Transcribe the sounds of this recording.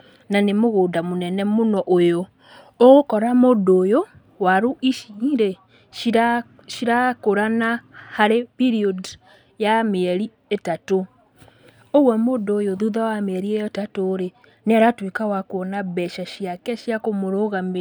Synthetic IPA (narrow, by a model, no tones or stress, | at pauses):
nanemoɣoːdamonɛnɛmonɔʔojoː | ɣokɔɾamodoːjo | waɾuʔiʃiɾe | ʃiɾakoɾanahaɾepiɾiɔd | jameɛɾi | etato | oɣwɛmoːndoːjoðuðawameɛɾiɛjɔtatoɾe | neaɾatwekawakwɔnaβɛʃaʃiakɛʃjakomoɾoɣam